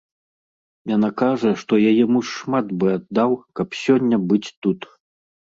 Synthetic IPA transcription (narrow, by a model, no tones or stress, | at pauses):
janakaʐɐʂt̪ɔjajɛmuʂmat̪bɨad̪ːawkɐpsʲɔnʲːɐbɨt͡sʲt̪ut̪